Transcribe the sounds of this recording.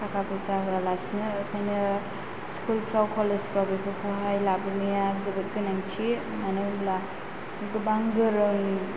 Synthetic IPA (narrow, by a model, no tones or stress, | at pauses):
kʰakʰapɯzaɦɯalasnɯːkʰajnɯ | skʰulpʰɾawkʰɔlezpɾabepʰɯkʰuɦajlabɯnɯjazɯbɯt̚ɡɯnaŋtʰi | manɯwmla | ɡɯbaŋɡɯɾɯŋ